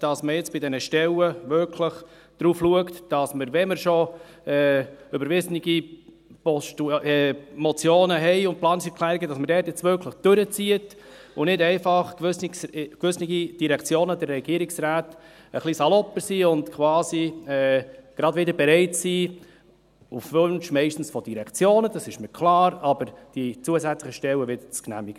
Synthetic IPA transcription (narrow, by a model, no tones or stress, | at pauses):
d̥ɑsməjɪt͡sb̥ɪdɛnəʃtɛləʋʏɾkʰləχ | d̪̥ɾuːfluəktd̥ɑsməɾvɛməɾʃɔ | ɛːʏbəɾvɪsnɪɡ̥i | pɔʃtuɛmɔt͡sjoːnəɦɛɪʊnt̚plɑːnsɛkʰlæːɾɪɡədɑsmədɛːtjɛt͡sʋʏɾkʰləχd̥øɾət͡siət | ʊnɪdɛɪfɑχskʋʏsniɡid̥iɾɛkt͡sjoːnədɛɾːɛɡ̥iəɾiksɾaːt | əχlisɑlɔpəsiːʊndkʰʋɑːsiɛːɡ̥ɾɑdʋɪdəɾbɛɾɛɪtsiː | ufʋønʃmɛɪʃtn̩sfɔd̥iɾɛkt͡sjoːnəd̥ɑsɪʃmɪkʰlɑːɾɑbəɾd̥it͡suəsæt͡slɪχəʃtɛlwəʋɪd̪ət͡sknæ̰miɡə